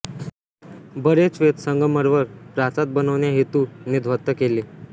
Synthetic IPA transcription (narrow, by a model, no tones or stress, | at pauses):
bəɾet͡sʋet̪səŋɡəməɾʋəɾpɾat͡sat̪̚bənəʋɳjaɦet̪unid̪ʱʋət̪ːəkele